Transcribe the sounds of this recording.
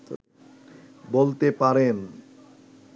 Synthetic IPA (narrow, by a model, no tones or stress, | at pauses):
bolt̪epaɾen